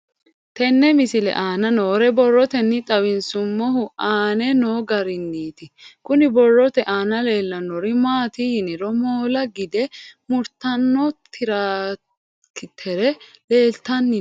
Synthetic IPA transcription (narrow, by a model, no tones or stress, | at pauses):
t̪ɛnːɛmɪsɪlɛ̰ʔaːnɐnoːɾɛbɔrːɔt̪ɛnːɪt̪ʼɐwɪnsʊmːɔɦʊʔaːnɛnoːɡɐɾɪnːiːt̪ɪkʊnɪbɔrːɔt̪ɛʔaːnɐle̞ːlːɐnːɔɾɪmaːt̪ɪhɪnɪɾɔmoːlɐɡɪd̪ɛmʊɾt̪ɐnːɔt̪ʰɪɾaː | kɪt̪ʰɛɾɛle̞ːlt̪ɐnːɪ